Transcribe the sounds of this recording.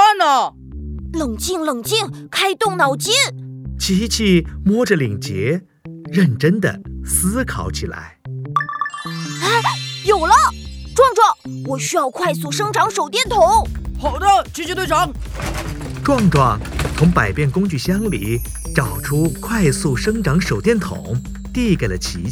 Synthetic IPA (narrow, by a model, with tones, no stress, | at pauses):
a˥˩na˧˩ | lɤ˨˩ŋt͡ɕi˥˩ŋlɤ˨˩ŋt͡ɕi˥˩ŋkʰa˥ɪt̪ʊ˥˩ŋnɑ˨˩ʊt͡ɕi˥nt͡ɕʰi˧˥t͡ɕʰi˥˩mwɔ˥ʈ͡ʂə˨li˨˩ŋt͡ɕjɛ˧˥ | ɻə˥˩nʈ͡ʂə˥nd̪ə̰˨sɹ̩˥kʰɑ˨˧˥ʊt͡ɕʰi˨˩la̰˧˥ɪ˥˩ | jo˨˩ʊlə˦ʈ͡ʂwɑ˥˧ŋʈ͡ʂwɑ˥˩ŋwɔ˨˩ɕy˥jɑ˥˧ʊkʰwa˥˧ɪsu˥˩ʂɤ˥ŋʈ͡ʂɑ˧˥ŋʂo˨˩ʊt̪̬jɛ˥˩nt̪ʰʊ˧˥ŋpʰo˨˩ʊd̪ə˥˧t͡ɕi˧˥t͡ɕɛ˧˥t̪we˥˩ʈ͡ʂɑ˧˥ŋ | ʈ͡ʂwɑ˥˧ŋʈ͡ʂwɑ˥˩ŋt͡sʰʊ˧˥ŋpa˨˩ɪpjɛ˥˩nkʊ˥ŋt͡ɕy˥˩ɕjɑ˥ŋlḭ˨˩˦ | ʈ͡ʂɑ˨˩ʊʈ͡ʂʰu˥kʰwa˥˧ɪsu˥˩ʂɤ˥ŋʈ͡ʂɑ˧˥ŋʂo˨˩ʊt̪jɛ˥˩nt̪ʰʊ̰˧˩˦ŋ | t̪i˥˩ke˨˩ɪlə˦t͡ɕʰi˧˥